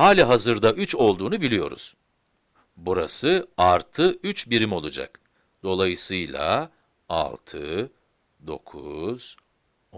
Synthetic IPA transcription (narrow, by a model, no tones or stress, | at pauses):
haːlʲaɦazɯɾd̪aʔyt͡ʃo̞lˠd̪uːnubilʲijo̞̰ɾṵz̥ | buɾa̰sɯaɾt̪ʰɯyt͡ʃbiɾimo̞lˠud͡ʒa̰k | d̪̥o̞lˠajɯsɯjlˠa̰ | a̰lˠt̪ʰɯ̰ | d̪o̞̰kʰuz̥